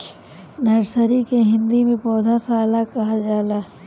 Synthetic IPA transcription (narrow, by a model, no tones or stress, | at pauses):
nɐɾsəɾikeɦɪ̃nd̪imẽpɔːd̪ʱasaːlakɐɦad͡ʒaːlaː